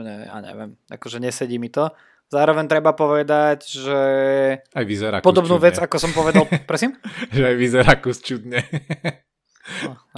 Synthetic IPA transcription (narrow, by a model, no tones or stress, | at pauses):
ɲɛ̰a̰ɲɛ̰ʋɛ̰mʔa̰kɔʒɛɲɛsɛɟiːmit̪ɔ | zaːɾɔʋɛɲt̪ɾɛbapɔʋɛd̪aɟʒɛ | ajʋizɛɾa̰kpɔd̪ɔbnuːʋɛd͡zakɔsɔmpɔʋɛd̪alˠpɾɔsimʒɛajʋizɛɾakust͡ʃud̪ɲɛ